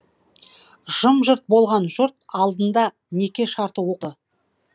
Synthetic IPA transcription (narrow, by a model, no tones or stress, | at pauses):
ʒ̥əmʒəɾt̪̚bo̞lˠʁɑnʒʊɾt̪̚ɑlˠd̪ənd̪ɑ | ne̞kʲe̞ʃɑɾt̪əwo̞qə